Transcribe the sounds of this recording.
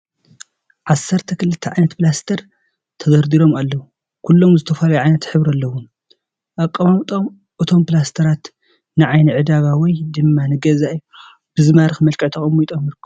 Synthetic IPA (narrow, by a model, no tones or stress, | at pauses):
ʕasːɐɾt̪ʰɐkɨlɨt̪ʰːɐʕajnɐt̪plast̪ʰɐɾ | t̪ʰɐzɐɾd̪iɾo̞malːɐwu | kʰulːo̞mzɨt̪ʰɐfalajɛʕajnɐt̪ħɨβɾɐlːɐwun | ʔakʼːɐmamt̪ʼom | ʔɨt̪ʰo̞mpɨlast̪ʰɐɾat̪ | nɨʕajnɨʕɨd̪aβawɔjd̪ɨmːanɨɡɐzaʔj | b̥ɨzɨmaɾɨxmɐlkʼɐʕt̪ʰɐxʼɐmit̪ʼomɨɾkʰɨ